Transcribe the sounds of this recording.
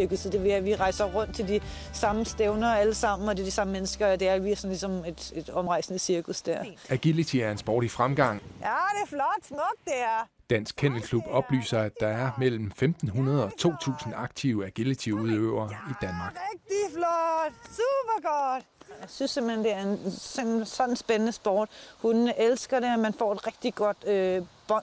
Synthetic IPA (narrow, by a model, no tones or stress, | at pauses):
ɐkusəd̥e̝ʋeæʋiʁɑ̈ɪ̰sɐʁɔ̽n̰d̥̚t͡sʰe̝ld̥i | sɑ̈məsd̥eʊnɐæləsɑ̈m̰n̩ɒ̽d̥ed̥isɑ̈məmenəsɡ̥ɐɒd̥e̝æɐʋiæsɒ̽n̩lisɒ̽me̝d̥e̝d̥ɒ̽mʁɑ̈ɪsnəsiɐkʰusd̥æɐ̰æɡ̥ilit͡sʰiæɐe̝nsb̥ɒ̰ːɾ̥ifʁamɡ̥ɑ̈ŋ̰jæɾeflɒd̥nɔd̥̚d̥eæɐ | d̥æn̰sɡ̥̚kʰen̰lkʰlub̥ɒ̽b̥ly̰ːsɐæd̥ɑ̈æɐmel̰m̩femd̥n̩ɦunɐð̞̩ˠɒ̽t͡sʰo̝̰ːt͡sʰṵːsn̩ɑ̈ɡ̥̚t͡sʰiʊæɡ̥ilit͡sʰiʊuðˠøʊɐid̥ænmɑ̈ːɡ̥ɛɡ̥̚d̥iflɔd̥sub̥ɐɡ̥ɔd̥ | jɑ̈ɪsynsem̰̩hend̥e̝æɐensemsɒ̽nn̩sb̥enənəsb̥ɒːd̥hunelsɡ̥ɐɾe̝æmænfɒ̰ːed̥ʁeɡ̥̚d̥iɡ̥ɒ̽d̥øb̥ɒ̽